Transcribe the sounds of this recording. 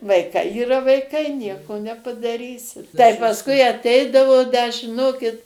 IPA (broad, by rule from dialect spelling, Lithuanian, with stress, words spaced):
ʋɐɪˈkɐɪ iːˈrɐ ʋɐɪˈkɐɪ ˈnʲiɛkoː nʲɛpɐdɐˈrʲiːsʲɪ tɐɪ pɐsˈkʊɪ ɐtʲˈɛɪdɐʋoː dɐ ʒʲɪˈnoːkʲɪt